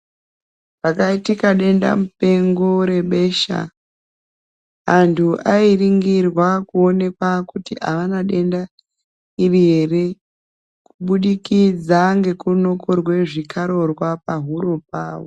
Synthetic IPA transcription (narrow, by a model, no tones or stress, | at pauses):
pakaitikaɗe̞nda̰mupe̞ŋɡoɾe̞ɓe̞ʃa̰ | ɦantʰuʔairiŋɡirwakuo̞ne̞kwakutiʔaʋanaɗe̞nda | iriɦe̞re̞ | kuɓuɗikid͡zaŋɡe̞kuno̞ko̞rwe̞ʐikʰaɾo̞rwapaɦuɾo̞p̚aːʋo